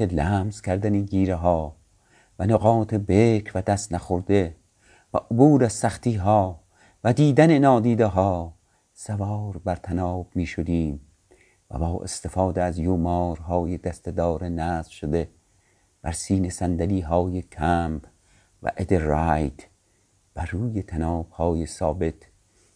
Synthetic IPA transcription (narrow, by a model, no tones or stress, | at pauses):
elæːmz̥kʰæɾd̪æniɡiːɾeɦɒː | vænoɣɒːt̪ʰebekʰvæd̪æst̪næxoɾd̪e | væ̰ʔobuːɾæzsæχt̪iːɦɒː | væd̪iːd̪ænenɒːd̪iːd̪eɦɒː | sævɒːɾbæɾt̪ʰænɒːbmiːʃod̪iːm | væ̰bɒːʔḛst̪e̞fɑːd̪eæzjuːmɒːɾɦɒːjed̪æst̪ed̪ɒːɾenæːzvʃod̪e | b̥æɾsiːnesænd̪æliːɦɒːjekʰæmb | væ̰ʔed̪eræjd̪ | b̥æɾuːjet̪ʰænɒːb̥̚hɒːjesɒːbe̞t̪